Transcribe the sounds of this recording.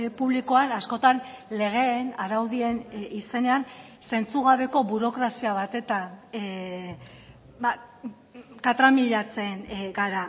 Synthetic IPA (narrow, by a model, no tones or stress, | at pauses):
puβ̞liko̞anasko̞t̪an | le̞ɣ̞e̞ːnaɾawðie̞nise̞ne̞an | se̞nt͡suɣ̞aβe̞ko̞βuɾo̞kɾasiaβ̞at̪e̞t̪an | a | kat̪ɾamiʎat͡se̞ŋɡaɾa